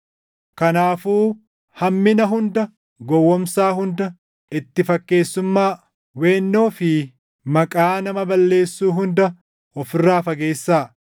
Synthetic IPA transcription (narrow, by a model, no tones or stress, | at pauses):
kɐnaːfuː | hɐmːɪnɐɦʊnd̪ɐ | ɡɔwːɔmsaːɦʊnd̪ɐ | ɪt̪ːɪfɐkːe̞ːsːʊmːaː | weːnːoːfɪ | mɐkʼaːnɐmɐbɐlːe̞ːsːuːɦʊnd̪ɐ | ɔfɪrːaːfɐɡe̞ːsːaː